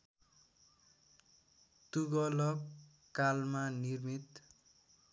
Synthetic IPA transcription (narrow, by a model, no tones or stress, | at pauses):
t̪uɡʌlʌk | kalmanirmit̪